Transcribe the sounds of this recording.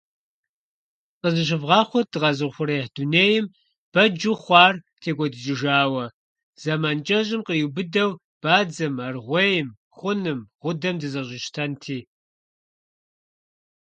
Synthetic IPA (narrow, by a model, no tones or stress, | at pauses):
qəzɨɕ̬ɪvʁɑːχʷɔdɨʁɑzɨʁχʷʊɾeħd̥uneːjɪm | b̥ɐd͡ʒuχʷɑːr | tʰeːɡʷʼɔdɨd͡ʒʼɪʒaːwɐ | z̥amaːnt͡ʃʼɐʑɪmqəjubɨdɐw | b̥aːd͡zɐmarʁʷejɪm | χʷʊnɨmʁʷʊdɐmdɨzɐʑʷɪʃtʰɐntʰiː